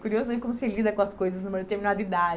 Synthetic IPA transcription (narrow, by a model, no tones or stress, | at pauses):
kuɾiozʊẽkõmʊselid̪ɐkõɐskojzɐsnumeɾʊt̪eɾminad̪ʊid̪ad͡ʒ